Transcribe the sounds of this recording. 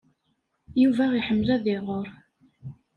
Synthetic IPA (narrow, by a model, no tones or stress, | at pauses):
juvæiħəmːlæðɪʁoɾ